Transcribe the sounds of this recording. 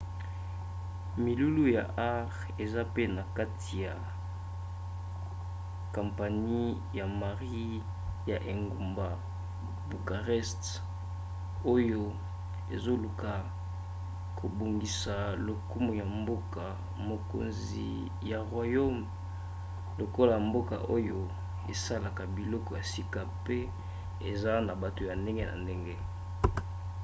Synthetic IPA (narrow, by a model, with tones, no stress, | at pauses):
mi˨lu˦lu˦ja̰˨ʔa˦ʁ | e˨za˦pe˦na˨ka˦tʰi˨ja˨ | ka˨mpa˨ni˦ | ja˨ma˨ʁi˦ | ja˨ʔe˨ŋɡu˨mba˨ | bu˨ka˨ʁɛ˦st | o˦jo˦ | ḛ˨zo˦lu˨ka˨ | kʰo˨bo˨ŋɡi˨sa˨lo˨ku˦mu˨ja˨mbo˦ka˨ | mo˨ko̰˨nz | ḭ˨ | ja˨ʁwa˨jo˦m | lo˨ko˦la˨ja˨mbo˦ka̰˨ʔo˦jo˨ | e˨sa˦la˨ka˨bi˨lɔ˦kɔ˨ja˨si˦ka˦pe˦ | e˨za˦na˨ba˨to˨ja˨nde˦ŋɡe˦na̰˨nde˦ŋɡe˦